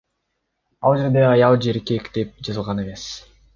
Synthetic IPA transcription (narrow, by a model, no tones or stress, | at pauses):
ɑ̰lˠd͡ʒe̞ɾd̪eɑjɑlˠd͡ʒe̞ɾkekd̪e̞p̚d͡ʒɑzɯlˠʁɑne̞me̞s